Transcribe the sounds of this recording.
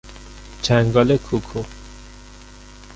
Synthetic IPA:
t͡ʃʰæŋɡɔlekʰukʰu

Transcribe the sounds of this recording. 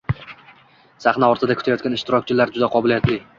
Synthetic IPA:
saχnaɒɾt̪ʰɪd̪akʰʊ̥t̪ʰajɒt̪̚ɡʲanɪʃt̪ɪɾɒkʲt͡ʃʰɪlaɾd͡ʒʊd̪aqʰɒbɪlijat̪lɪ

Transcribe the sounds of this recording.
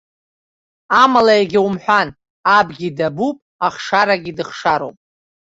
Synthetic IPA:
amalaeɡʲiwumħᶣʷan | abɡʲidabupʼaχʂaɾaɡʲidɨχʂaɾowpʼ

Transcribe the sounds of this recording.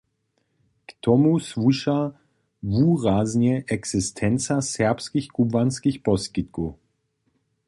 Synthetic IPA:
kt̪ʰɔmusvuʃa | vuːʁaznjɛʔɛksɪstʰɛnt͡sasɛʁpskixkubvanskixpɔskit̪̚ku

